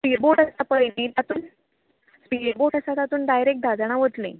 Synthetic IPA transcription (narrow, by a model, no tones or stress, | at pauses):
spiboʈəsapəjlẽt̪at̪uːn | spiboʈəsat̪at̪uːnɖajɾek̚d̪ʱad͡zaɽ̃aʋət̪lḛ̃